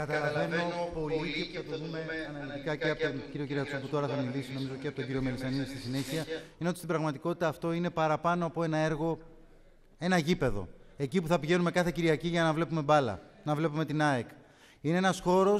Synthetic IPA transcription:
kɐt̪ɐlɐve̞no̞po̞lit̪ipuθɐt̪oðume̞ɐnɐlit̪ikɐceɐpot̪onciɾio̞ciɾiɐt͡suput̪o̞ɾɐθɐmilisino̞mizo̞ceɐpot̪o̞ɟiɾio̞melisɐniðist̪isine̞çiɐineot̪ist̪ibɾɐɣmɐt̪iko̞t̪i̥t̪ɐːft̪o̞ine̞pɐɾɐpɐno̞ɐpoe̞nɐe̞ɾɣo̞ | e̞nɐʝipe̞ðo̞̰e̞cipuθɐpiʝe̞nume̞kɐθe̞ciɾiɐciʝɐnɐvle̞pumebɐlɐ̰ | nɐvle̞pume̞t̪inɐek | ine̞enɐsxo̞ɾo̞s

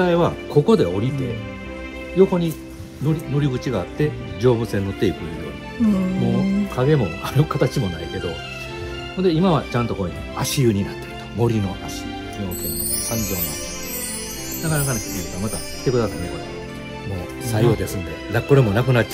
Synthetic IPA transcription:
aiβakʰo̞ko̞d̪e̞o̞ɾʲit̪e̞̰ | jo̞ko̞ɲ̟i | noɾʲino̞ɾʲiɡɯ̟t͡ɕiɡaːt̪ːe̞ | d͡ʑo̞ːbɯ̟se̞nːot̪ːe̞ikɯ̃nd̪ḛ | mo̞ːkʰaɡe̞mo̞aɾɯ̟kat̪at͡ɕimo̞naike̞d̪o̞̰ | ond̪eimaβat͡ɕãnt̪o̞ko̞ːɲiaɕiɯ̟ɲ̟inat̪ːekɯ̥t̪o̥mo̞ɾʲino̞ʔaɕi | kʲinokẽnːo | sãmbõnat̪ːee | nakanakanekʲiɡʲiɾit̪omat̪akʰʲi̥t̪e̞kɯd̪asanekoɾ | moː | sajo̞ːd̪e̞sɨ̃nd̪e̞nko̞ɾe̞mo̞nak̬ɯ̟natː

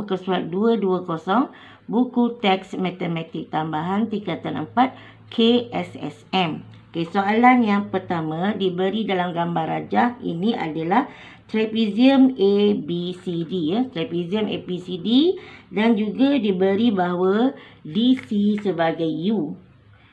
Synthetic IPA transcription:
kəsuat̪̚duəduəkosɔŋ | bukut̪ɛksmãt̪emãt̪ɪk̚t̪ambaɦant̪ikat̪anə̰mpat̪̚ | kʰeɛsɛ̰sɛmokesoalanjaŋpərt̪amãdibəɾidalamɡambarad͡ʒahḭnĩʔa̰dalah | t̪ɾapiziəmebisidijat̪ɾapiziəmepisididand͡ʒuɡadibəɾibaɦwadisisəbaɡajju

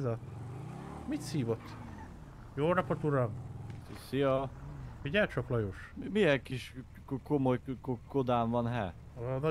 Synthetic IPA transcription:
zɒ | mit̪siːvot̪ː | joːlnɒpɒt̪uɾɒmsisijɒfiɟaːt͡ʃoklɒjoʃmijɛŋkiʃ | ko̞mo̞jkod̪aːɱvɒnɦɛ̰ | nɒ

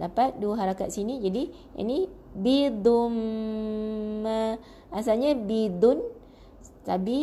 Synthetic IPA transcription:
dapat̪̚duəɦaɾaka̰t̪̚sinid͡ʒadi | ʔa̰nibid̪um | ə | asalɲabid̪ʊn | tabi

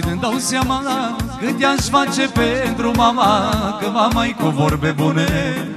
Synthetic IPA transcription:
ined̪awsjamaakəd̪ʲjanʃfat͡ʃepent̪ɾumamakəvamajkovoɾbebune

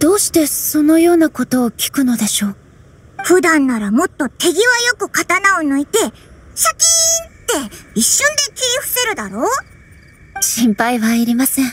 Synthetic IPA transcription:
d̪̥o̞ːɕi̥t̪e̞so̞no̞jo̞ːnako̞t̪o̞ːkʲi̥kɯ̟no̞d̪e̞ɕo̞ː | ɸɯ̟d̪ãnːaɾamo̞t̪ːo̞t̪e̞ɡʲiβajo̞kɯ̟kat̪anaonoit̪e̞ɕakʲint̪e̞iɕːõnd̪e̞kʲiiɸɯ̟̥se̞ɾɯ̟d̪aɾo̞ː | ɕĩmpaiβaiɾʲimasẽ̞ɴ

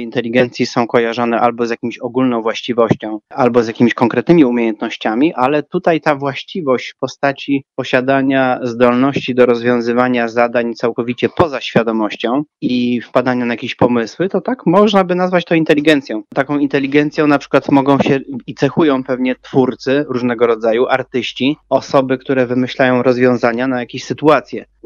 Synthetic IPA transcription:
int̪ɛlʲiɡɛnt̪sʲjisɔ̃w̃kɔjaʐɔnɛʔalbɔzjakʲimɕɔɡulnɔ̃w̃vwaɕt͡ɕivɔɕt͡ɕɔ̃w̃albɔzjakʲimʲiɕkɔŋkɾɛt̪nɘmʲiumʲjejɛnt̪̚nɔɕt͡ɕamʲiʔalɛt̪ut̪ajt̪avwaɕt͡ɕivɔɕt͡ɕpɔst̪at͡ɕiɔɕad̪aɲazd̪ɔlnɔɕt͡ɕid̪ɔɾɔzvʲjɔ̃w̃zɘvaɲazad̪aɲt̪sawkɔvʲit͡ɕɛpɔzaɕfʲjad̪ɔmɔɕt͡ɕɔ̃w̃ifpad̪aɲanajakʲeɕpɔmɘswɘt̪ɔt̪akmɔʐnabɘnazvat͡ɕt̪ɔ̃int̪ɛlʲiɡɛnt̪sʲjɔ̃w̃t̪akɔ̃w̃int̪ɛlʲiɡɛnt̪sʲjɔ̃w̃napʂɘ̥kwat̪mɔɡɔ̃w̃ɕɛit̪sɛxujɔ̃w̃pɛvɲɛt̪fuɾt̪sɘɾuʐnɛɡɔɾɔd̪zajuʔaɾt̪ɘɕt͡ɕiɔsɔbɘkt̪uɾɛvɘmɘɕlajɔ̃w̃ɾɔzvʲjɔ̃w̃zaɲanajakʲeɕsɘt̪uat̪sʲjɛ

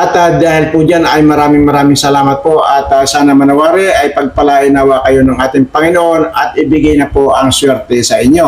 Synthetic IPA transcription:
ʔɐt̪ad̪aːhɪlpʊd͡ʒanɐjmɐɾaːmɪŋmɐɾaːmɪŋsɐlaːmɐt̪̚po̞ʔɐt̪asaːnɐmɐnɐwaːɾɛʔɐjpɐɡ̚pɐlaːjɪnawaːkɐjo̞nɐŋʔaːt̪ɪŋpɐŋɪnoʔo̞nɐt̪̚ʔɪbɪɡajnɐpoʔɐŋswɛɾt̪ɛsɐʔɪɲːo̞

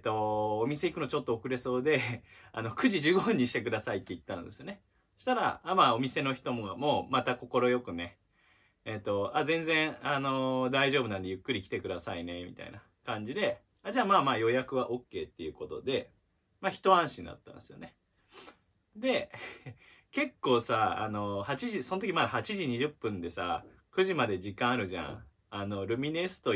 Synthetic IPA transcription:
t̪ːo̞omʲise̞ikɯ̟no̞t͡ɕo̞t̪ːookɯ̟ɾe̞so̞ːd̪e̞a̰no̞kɯ̟ʑiʑɨːɡoɦɯ̃ɲ̟ːiɕi̥t̪e̞k̬ɯ̟d̪asait̪ːe̞it̪ːanod̪e̞sɨjone̞ | ɕi̥t̪aɾa̰ːmaːo̞mʲise̞no̞çi̥t̪o̞moamo̞ːmat̪ako̞ko̞ɾo̞jo̞kɯ̟ne̞ː | t̪ːo̞azẽ̞ñd͡zẽ̞ɰ̃ano̞d̪aiʑo̞ːbɯ̟nãnd̪e̞jɯ̟kːɯ̟ɾʲikʲi̥t̪e̞kɯ̟d̪asaine̞mʲḭt̪a̰ḭna | kãɲ̟d͡ʑid̪e̞ | ad͡ʑaːmaːmaːjo̞jakɯ̟βaʔokːe̞ːt̪ːe̞jɯ̟ko̞t̪o̞̰d̪e̞ | maçi̥t̪o̞ãɰ̃ɕĩnd̪a̰t̪ːã̰nesɨjo̞̰ne̞ | d̪e̞ | ke̞kːo̞ːsaa̰no̞hat͡ɕiʑiso̞not̪okʲimad̪ahat͡ɕiʑiɲ̟iʑɨpːɯ̟̃nd̪e̞sa̰ | kɯ̟ʑimad̪e̞ʑikːãɰ̃aɾɯ̟ʑã̰ | ano̞ɾɯ̟mʲine̞sɨ̥t̪o̞

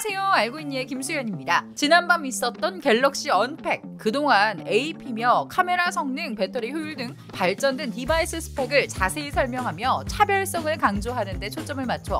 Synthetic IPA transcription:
sʰejoŋaɭɡoiɲːiekimsʰujʌɲimɲidat͡ɕinanbamis͈ʌt̚t͈ʌnke̞ɭːʌk̚ɕ͈iʌnpʰe̞k̚k͈ɯdoŋaneipʰimjʌkʰame̞ɾasʰʌŋnɯŋpe̞tʰʌɾiçjujuɭdɯŋ | paɭt͡ɕ͈ʌndwentibais͈ʰɯsʰɯ̥pʰe̞ɡɯɭt͡ɕasʰe̞isʰʌɭmjʌŋɦamjʌt͡ɕʰabjʌɭs͈ʌŋɯɭkaŋd͡ʑoɦanɯnde̞t͡ɕʰot͡ɕ͈ʌmɯɭmat͡ɕʰoʌ̰

